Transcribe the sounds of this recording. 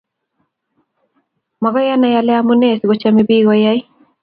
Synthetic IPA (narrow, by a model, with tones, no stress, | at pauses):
ma˨ɣɔ˦ja˦na˨ja˦lɛ˦amu˦nɛ˦˨sɡɔ˨t͡ʃamebi˦ɣɔja˦j